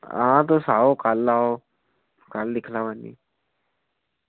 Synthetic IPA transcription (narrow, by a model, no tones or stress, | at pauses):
ãt̪̬osaokalːao | kald̪ikʰlaʋanːḭ